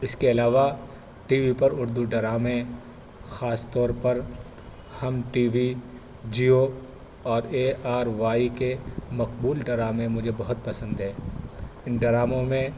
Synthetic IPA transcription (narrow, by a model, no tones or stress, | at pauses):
ɪskeɐlaːʋa | ʈiːʋipɐɾʊɾd̪uɖɐɾaːmẽ | xaːst̪ɔːɾpɐɾ | hɐmʈiːʋi | d͡ʒiːo | ɔːɾeːʔaːɾʋaːikemɐqbuːlɖɐɾaːmẽmʊd͡ʒʱebɐɦʊt̪̚pɐsə̃nd̪ɦɛːɪnɖɐɾaːmõmẽ